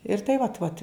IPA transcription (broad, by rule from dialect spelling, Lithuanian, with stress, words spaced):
ɪr ˈtɐɪ ʋɐt ˈʋɐt